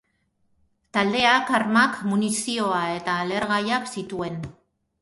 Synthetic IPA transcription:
t̪ald̪e̞akaɾmakmunisio̞ae̞t̪aːle̞ɾɣajaksit̪ue̞n

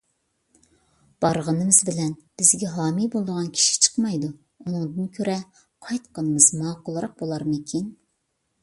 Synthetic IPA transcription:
b̥ɑɾʁənɨmɨzbɪlɛnb̥ɪzɡʲɛɦɑːmibolˠd̪əʁɑnkʲʰi̥ʃi̥t͡ʃʰə̥qmɑjd̪u | unɨŋd̪ɨnkʲʰøɾɛ | qʰɑjt̪qɑnɨmɨzmɑːqʊlˠɨɾɑq̚bolˠɑɾmɨkʲʰin

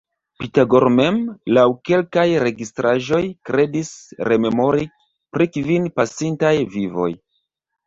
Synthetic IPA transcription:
pitaɡo̞ɾme̞mlawke̞lkajɾe̞ɡistɾaʒo̞jkɾe̞disɾe̞me̞mo̞ɾi | pɾikvinpasintajvivo̞̰j

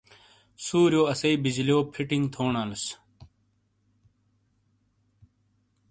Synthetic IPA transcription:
suːɾjoːɐsɐiːbid͡ʑlioːpʰiʈiŋɡt̪ʰoːnãːlus

